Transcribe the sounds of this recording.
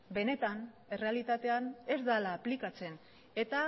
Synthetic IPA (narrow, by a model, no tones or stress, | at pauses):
be̞ne̞t̪an | e̞re̞alit̪at̪e̞ane̞zd̪alaːplikat͡se̞n | e̞t̪a